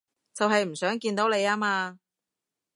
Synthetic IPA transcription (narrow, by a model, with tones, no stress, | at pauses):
t͡sɐ˨wɦɐ˨jm̩˨˩sœː˨˥ŋkiː˧nt̪o˨˥wle˨˧jaː˥maː˧